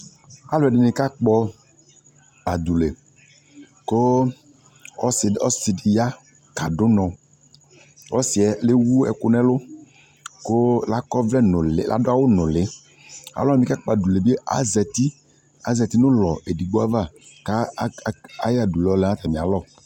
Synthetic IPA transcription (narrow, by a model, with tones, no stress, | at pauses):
a˦lʊ˨ɛ˨dɪ˨nɪ̃˨ka˦k͡pɔ˦ | a˨d̪u˨le˨ | ko˦ | ɔ˦˨ɔ˦sɪ˨dɪ˨ja˦ | ka˨dʊ˦nɔ̃˨ | wɔ˦sɪ˨ɛ˨le˦wu˦ɛ̰˨kʊ˨nɛ̃˦lʊ˦ | ko˦la˦kɔ˦vlɛ˦nʊ˨lɪ̰˨lʔa̰˨dʊ˦a˦wʊ˦nʊ̃˨lɪ˨˦ | a̰˨lɔ˦a˦mĩ˨˦ka˦k͡pa˨du˨le˨bi˦e˦ʔa̰˦zɛ˨t̪i˦ | a˦zɛ˨t̪i˦nʊ̃˦lɔ˨ʔe˨di˨ɡ͡bo˦a˦va˦˨ | ka˦a˦ja˨du˨lɔ˨˦lɛ˨˦a˦t̪a˨mĩ˨a˨lɔ˦˨